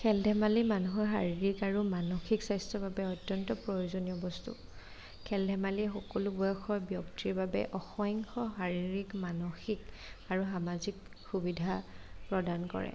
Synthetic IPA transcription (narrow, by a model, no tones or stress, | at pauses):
kʰɛldʱɛmalimanuɦɔɦa̰ɹiɹikaɹumanɔxiksajstɹɔbabɛɔtjɔntɔpɹɔjozoniɔbɔstṵ | kʰɛldʱɛmaliɛxɔkɔlubɔjɔxʰɔɹbjɔktiɹbabɛ̰ʔɔxɔjŋxɔɦaɹiɹikmanɔxik | aɹuxamazik | xːubidʱapɹɔdankɔ̰ɹɛ̰